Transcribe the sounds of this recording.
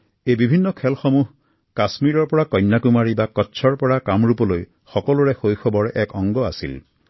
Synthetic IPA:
ebibʱinːɔkʰɛlxɔmuɦ | kasmiɹɔɹpɔɹakɔjnːakumaɹibakɔtːt͡ʃʰɔɹpɔɹakamɹupɔloj | xɔkɔluɹexojxʰɔbɔɹʔɛkɔŋɡɔasḭl

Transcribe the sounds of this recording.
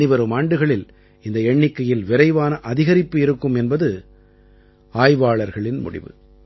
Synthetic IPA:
ɪʋɐɾɯmaːɳɖɯɣɐɭɪl | ɪnd̪ɐɛɳːɪkːɐjɪlʋɪɾɐɪʋaːnɐʔɐðɪɣɐɾɪpːɯɪɾɯkːɯmɛnbɐðɯ | aːjʋaːɭɐɾɣɐɭɪnmʊ̰ɽɪ̰ʋɯ̰

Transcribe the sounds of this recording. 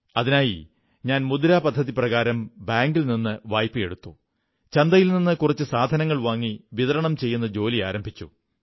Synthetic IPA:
ɐðinaːji | ɲaːnmud̪uɾaːpɐd̪ʱːɐðiprɐɣaːɾɐmbaːŋɡilninːɨʋaːjpːɨe̞ɽut̪ːu | t͡ɕɐnd̪ɐjilninːɨkurɐt͡ɕːɨsaːd̪ʱɐnɐŋːɐɭʋaːŋːiʋiðɐɾɐɳɐmt͡ɕe̞jːunːɐd͡ʑo̞ːliaːɾɐmbʱit͡ɕːu

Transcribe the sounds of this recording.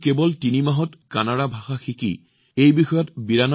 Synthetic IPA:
kebɔltinimaɦɔtkanaɹabʱaxaxikḭ | ejbixɔjɔtbiɹanɔ

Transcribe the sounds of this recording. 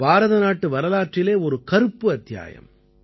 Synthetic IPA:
baːɾɐðɐnaːʈːɯʋɐɾɐlaːʈrɪleːɔɾɯkɐɾɯpːɯɐt̪ːja̰ːjɐ̰m

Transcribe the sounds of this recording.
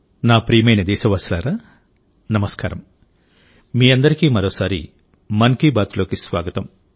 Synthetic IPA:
naːpɾiːmɐjnɐd̪ɛːʃɐʋɐslaːɾaː | nɐmɐskaːɾɐm | miːɐnd̪ɐɾikiːmɐɾoːsaːɾḭ | mɐnkiːbaːt̪ulo̞ːkisʋa̰ːɡɐt̪ɐm

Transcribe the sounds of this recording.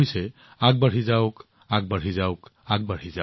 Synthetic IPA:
ojsɛ | aɡ̚baɹ̤izawk | aɡ̚baɹ̤izawk | aɡ̚baɹ̤iza

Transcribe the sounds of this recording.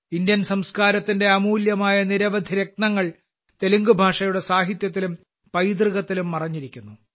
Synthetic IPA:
indjɐnsɐmskaːɾɐt̪ːinde̞ɐmuːljɐmaːjɐniɾɐʋɐd̪ʱiɾe̞k̚nɐŋːɐɭ | t̪e̞luŋɡubʱaːʂɐjuɽe̞saːɦit̪jɐt̪̬ːilum | pɐjd̪rɨɣɐt̪ːilumːɐrɐɲːiɾikʲːunːu

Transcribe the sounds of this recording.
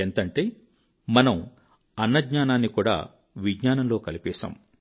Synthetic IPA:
ent̪ɐɳʈe̞ː | mɐnɐm | ɐnːɐdɲaːnaːnːikuːɽa̰ː | ʋiɡɲaːnɐmlo̞ːkɐlipɛːsa̰ːm

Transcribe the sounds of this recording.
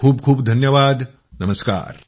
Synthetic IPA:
uːb̚kʰuːbd̪ʱɐnjɐʋaːd̪ | nɐməska̰ːɾ

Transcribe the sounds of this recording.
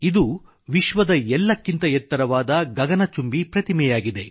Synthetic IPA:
id̪u | ʋiʃʋɐd̪ɐɛlːɐkːint̪ɐjɛt̪ːɐɾɐʋaːd̪ɐɡɐɡɐnɐt͡ʃumbipɾɐt̪imɛjaːɡid̪e̞

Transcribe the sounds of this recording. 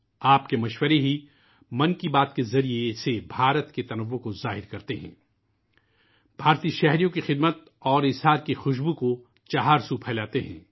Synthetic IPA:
aːpkemɐʃwəɾeɦi | mɐ̃nkibaːt̪kezɐɾiesebʱaːɾət̪ket̪ɐnəʋːõkozaːɦɪɾkɐɾt̪eɦɛ̰̃ː | b̥ʱaːɾt̪iːʃɛɦɾijõkixɪd̪mət̪̚ | ɔːɾɪsɦaːɾkixʊʃbuko | t͡ʃaɦaːɾsupʰɛːlaːt̪eɦɛ̃ː

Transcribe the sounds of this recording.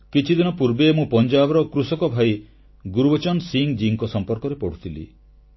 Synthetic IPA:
kit͡ʃʰid̪inɔpuɾbemũpɔnd͡ʒabɔɾɔkɾusɔkɔbʱaj | ɡuɾubɔt͡ʃɔnsiŋd͡ʒiŋkɔsɔmpɔɾkɔɾepɔɽ̤ut̪ʰilḭ

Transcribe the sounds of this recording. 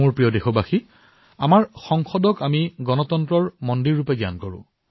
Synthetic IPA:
ʊɹpɹijɔdexɔbaxi | a̰maɹxɔŋxɔdɔkamiɡɔnɔtɔntɹɔɹmɔndiɹːupɛɡja̰nkɔɹʊ̰̃

